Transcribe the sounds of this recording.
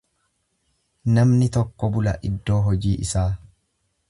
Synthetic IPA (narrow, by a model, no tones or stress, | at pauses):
nɐmnɪt̪ɔkːɔbʊlɐ̰ʔɪd̪ːo̞ːɦɔd͡ʒiːʔɪsaː